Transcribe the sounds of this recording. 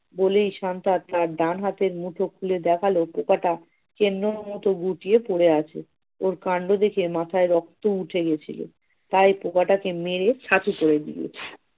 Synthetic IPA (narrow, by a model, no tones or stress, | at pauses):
bolejʃant̪at̪aɾɖanɦat̪eɾmuʈʰokʰuled̪ɛkʰalopokaʈa | kenɾoɾmɔt̪oɡuʈiepoɽeat͡ɕʰḛ | oɾkaɳɖod̪ekʰemat̪ʰaeɾɔk̚t̪ouʈʰeɡet͡ɕʰḭlo̰ | t̪ajpokaʈakemeɾet͡ɕʰat̪ʰupoɽed̪ḭlḛ